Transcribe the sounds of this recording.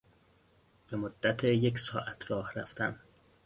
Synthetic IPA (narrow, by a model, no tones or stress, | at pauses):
b̥e̞mod̪ːæt̪ʰejecsɒ̰ːʔæt̪ʰɾɒːhɾæ̰ft̪æm